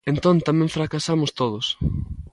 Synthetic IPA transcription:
ẽnt̪õnt̪amɛ̃ɱfɾakasamʊst̪oð̞ʊs

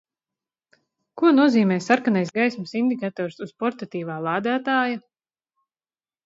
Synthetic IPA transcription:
kuɔnuɔziːmɛːsaɾkanajsɡajsmsind̪ikat̪ɔːɾsuz̥pɔɾt̪at̪iːvaːlˠaːd̪aːt̪aːja

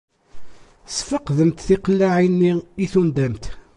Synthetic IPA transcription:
sfəqðəmt̪θiqəlːaʕinːiiθund̪æmt̪

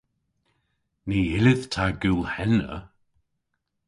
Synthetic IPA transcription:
niɪlɪðtʰaɡuːlhɛnə̰

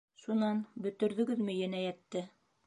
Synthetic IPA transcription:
ʃunɑnbɵ̆t̪ɵ̆ɾðɵ̆ɡɵðmɘ̆jænæjæt̪ːɘ

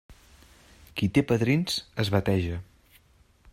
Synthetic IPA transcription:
kit̪epəðɾinsəzβət̪ɛʒə

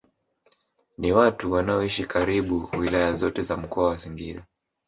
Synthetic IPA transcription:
niwatuwanaɔiʃikaɾiɓuwilajazɔtɛzam̩kɔawasiŋɡiɗa

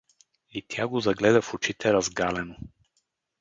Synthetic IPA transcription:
it̪ʲjaɡozɐɡlɛd̪ɐfot͡ʃit̪ɛɾɐzɡalɛno

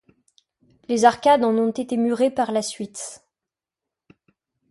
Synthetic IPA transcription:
lezaʁkʲad̪ɑ̃nɔ̃t̪et̪emyʁepaʁlasɥit̪

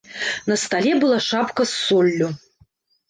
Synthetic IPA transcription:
nɐst̪alʲɛbɨlˠaʂapkɐsːɔlʲːu

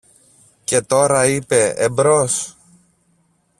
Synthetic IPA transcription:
ce̞t̪o̞ɾɐipe̞ḛbɾo̞s

